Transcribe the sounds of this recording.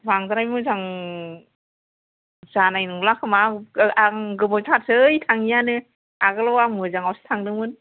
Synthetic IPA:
baŋzaɾajmɯzaŋ | z̥anajnɯŋlakʰɯmaaŋɡɯmɯjtʰat̚sɯjtʰaŋijanɯ | aɡɯlawamɯzaŋawsɯ̥tʰaŋnɯŋmɯn

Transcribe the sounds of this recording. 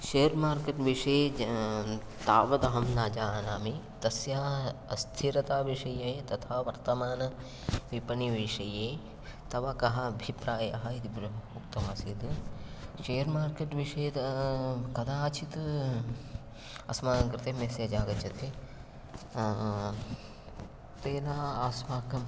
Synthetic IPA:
ʃeːɾmaːɾkeːʈʋiʂɐj | t̪aːʋɐd̪ɐɦɐmnaːd͡ʒaːnaːmi | t̪ɐsjaɐst̪ʰiɾɐt̪aːʋiʂɐjɐt̪ɐt̪ʰaːʋɐɾt̪ɐmaːnɐ | ʋipɐɳiʋiʂɐjeː | t̪ɐʋɐkɐɦɐːbʱipɾaːjɐ̰ɦɐit̪ibɾukt̪ɐʋaːsiːd̪ɨʃejɐɾmaːɾkeːʈʋiʂɐjet̪ | kɐd̪aːt͡ʃʰit̪ɨ | ɐ̰smaːnɐkɾɨt̪eːmeːsjɐd͡ʒaːɡɐt͡ʃɐt̪ʰe | t̪eːnaːaːsmaːkɐm

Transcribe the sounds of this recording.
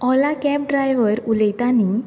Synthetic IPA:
ɔlakɛp̚ɖɾajʋəɾuləjt̪ani

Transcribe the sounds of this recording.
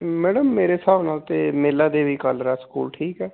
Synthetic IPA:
mɛːɖəmːeːɾeːsaːʋnaːlt̪eːmeːlaːd̪eːʋiːkaːləɾaːsə̥kṵːlʈʰiːkɛː

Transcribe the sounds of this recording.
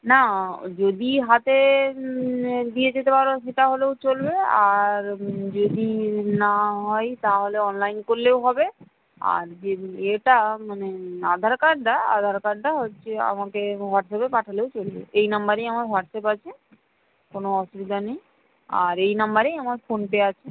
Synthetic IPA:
nad͡ʑod̪iɦat̪e | d̪ijed͡ʑet̪epaɾoʃeʈaɦoleot͡ɕolbeaɾd͡ʑod̪inaɦɔjt̪aɦoleɔnlajnkoɾleoɦɔbe | a̰ɾd͡ʑeeʈamanead̪ʱaɾkaɾɖaa̰d̪ʱaɾkaɾɖaɦotːt͡ɕʰea̰makewaʈsapepaʈʰaleot͡ɕolbḛejnambaɾejamaɾwaʈsapat͡ɕʰe | konoɔʃubid̪anej | a̰ɾejnambaɾejamaɾfonpeat͡ɕʰe

